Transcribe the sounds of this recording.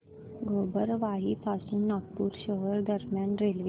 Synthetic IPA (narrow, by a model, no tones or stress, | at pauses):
ɡoːbəɾʋaːɦipʰaːsunak̚puːɾʃəɦəɾd̪əɾmjãːnɾeːlʋi